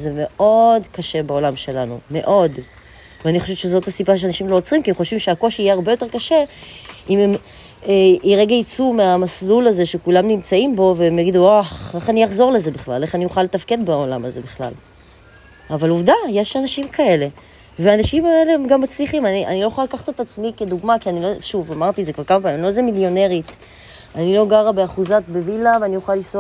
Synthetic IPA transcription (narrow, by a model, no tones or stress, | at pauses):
ze̞me̞o̞dkaʃe̞beo̞lamʃe̞lanṵme̞̰ʔo̞d | veaniχo̞ʃevʃezo̞tasipaʃ̬eanaʃimloot͡sʁimkiemχo̞ʃvimʃeako̞ʃiijeaʁbejo̞t̪e̞kaʃe̞imem | eiʁe̞ɡait͡sumeamaslulaze̞ʃekulamnimt͡saimbo̞veemjaɡiduaχeχanijaχzo̞ʁle̞ze̞biχla̰le̞χanijuχale̞tafke̞d̪bao̞la̰maze̞biχla̰l | avaluvd̪aje̞ʃanaʃimkae̞le̞ | veanaʃimaelemɡamːat͡sliχimania̰nilo̞juχalakaχat̪et̪at͡smike̞d̪uɡmakianilo̞ʃuvamaʁt̪ietzekvaʁkamapaimlo̞zemiljo̞ne̞ʁit̪ | anilo̞ɡaʁabeaχuzat̪̚bevilavanijuχaliso